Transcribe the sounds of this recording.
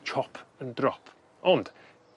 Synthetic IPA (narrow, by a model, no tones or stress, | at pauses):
t͡ʃʰɔpʰəndɾɔpʰ | ʔɔnd̥